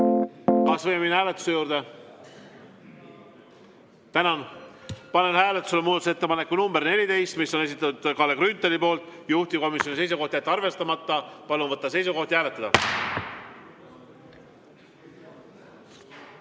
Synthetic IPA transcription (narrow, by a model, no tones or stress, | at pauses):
kɑsvɤjmeminhæːle̞t̪ːˑu̥se̞juːɾd̪̥e | t̪ænɑnpɑne̞nhæːlet̪ːˑu̥selemuːd̪ɑt̪use̞t̪ːe̞pɑnekːunumb̥eɾne̞lʲit̪e̞jst̪misːo̞ne̞s̬it̪ːˑɑt̪ːud̪̥kɑːlekrynt̪ːˑelipo̞ːlt̪ˑjuht̪iko̞misʲjo̞nise̞js̬uko̞ht̪jæt̪ːɑrve̞st̪ɑmɑt̪ːˑɑpɑlunvɤt̪ːˑɑse̞jsuko̞ht̪iæːle̞t̪ːˑɑd̪ɑ̰